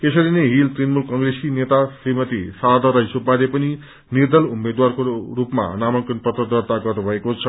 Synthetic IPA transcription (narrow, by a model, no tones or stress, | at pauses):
esʌɾineɦilt̪rinmulkʌŋɡresinet̪asimʌt̪ḭsad̪ʱʌɾʌisʰobad̪epʌni | nird̪ʌlumed̪warkorupma̰namʌŋkʌnpʌt̪ʌd̪ʌrt̪aɡʌrnubʱʌekot͡sʰʌ